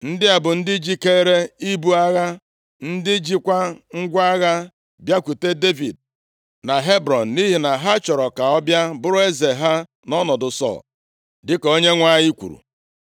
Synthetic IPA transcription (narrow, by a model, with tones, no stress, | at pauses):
n̩˦dɪ˦a˨bʊ˨n̩˦dɪ˦d͡ʒi˦ke˦ɾe˦i˦bu˦a˦ɣa˦ | n̩˦dɪ˦d͡ʒi˦kʷa˦ŋ̩˦ɡʷa˦ɣa˦ | bja˦kʷu˨te˦de˦vḭ˨d̚ | na˨ɦe˦bɾɔ˨n̩˨ni˦ɦi˨na˨ɦa˦t͡ʃɔ˨ɾɔ˨ka˨ɔ˦bja˦bʊ˦ɾʊ˦e˦ze˨ɦa˦ | nɔ˦nɔ˨dʊ˨sɔ̰˦˨l | dɪ˦ko˦ɲe˦ŋʷa˦ji˦kʷṵ˨ɾṵ˨